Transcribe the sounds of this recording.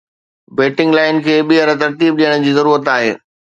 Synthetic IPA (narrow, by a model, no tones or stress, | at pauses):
beːʈɪ̃ŋɡlaːɪnkʰeːɓiɦəɾət̪ɐɾt̪iːb̚ɗijəɽ̃d͡ʑiːzɐɾuːɾət̪aːɦeː